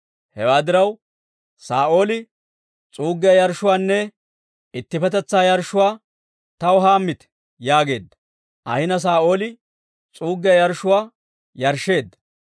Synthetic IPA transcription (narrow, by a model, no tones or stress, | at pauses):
hɛwaːd̪ɪɾɐw | saːʔo̞ːlɪ | t͡sʼuːɡːɪjɐjɐɾʃʊwaːnːɛ | ɪt̪ːɪfɛt̪ɛt͡sːaːjɐɾʃʊwaː | t̪ɐwɦaːmːɪt̪ | jaːɡe̞ːd̪ːɐ̥ | ʔɐ̰hɪnɐs̬aːʔo̞ːlɪ | t͡sʼuːɡɪjɐjɐɾʃʊwaː | jɐɾʃːe̞ːd̪ːɐ̥